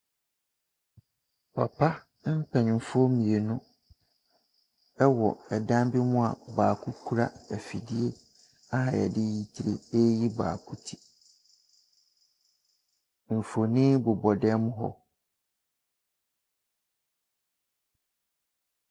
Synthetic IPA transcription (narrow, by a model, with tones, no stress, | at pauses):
pʰa˨pʰa˦ | m̩˦pʰɛ˨ɲ˨m̩˨fɔ˦mĩ˨e˨nʊ̃˦ | ɛ˦wɔ˨ɛ˨dã˦m˦bɪ˦mʊ̃˦a̰˨baː˨kʰu˦kʰu˦ɾa˦æ˨fi˨di˦e˦ | a˦ɦa˨jɛ˨dɪ˦ji˨tʰi˨ɾḛ˨e˦ji˦ba̰ː˨kʰu˦tʰi̥˦˨ | m̩˨fo˨nĩ˦bʊ˨bɔ˨dɛ˦mʊ̃˦ɦɔ̰˦